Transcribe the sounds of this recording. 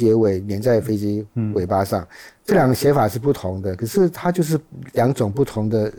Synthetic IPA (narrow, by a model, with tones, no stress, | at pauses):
jɛ˧˥we˨˩˦ɪnjɛ˧˥nt͡sa˥˩ɪfe˥ɪt͡ɕi˥we˨˩ɪpa˥ʂɑ˥˩ŋʈ͡ʂɤ˥˩ljɑ˨˩ŋɡə˦˩ɕjɛ˧˥nfa˨˩ʂɻ̩˥˧pu˥˩t̪ʰʊ˧˥ŋd̪ə˧kʰɤ˨˩ʂɻ̩˥˩t̪ʰa˥t͡ɕjo˥˧ʊʂ̬ɻ̩˥˧ljɑ˧˥ŋʈ͡ʂʊ˨˩ŋpu˥˩t̪ʰʊ˧˥ŋd̪ə˧